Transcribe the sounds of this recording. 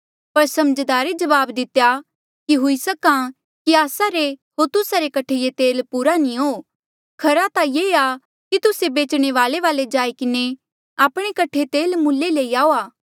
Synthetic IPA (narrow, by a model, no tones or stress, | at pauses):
pɐɾsɐməd͡ʒd̪aːɾed͡ʒɐʋaːbd̪ɪt̪eja | kiɦʊisɐkã | kiaːsaɾeɦoːɾt̪ʊsaɾekɐʈʰejet̪eːlpuːɾanĩoː | kʰɐɾat̪ajeːa | kit̪ʊsebeːt͡ʃɽ̃eʋaːleʋaːled͡ʒaːikɪne | aːpɽ̃ekɐʈʰet̪eːlmʊlːeleiaːoaː